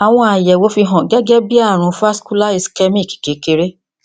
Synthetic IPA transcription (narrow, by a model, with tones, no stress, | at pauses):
a˨w̃ɔ̃˧a˨jɛ˨wo˨˦fi˧ɦɔ̃˨ɡɛ˦ɡɛ˦bi˦a˦˨ɾ̃ũ˨˧fa˦sku˦la˦i˧skɛ˦mĩ˦˨ki̥˨ke˨˦ke˨ɾe˦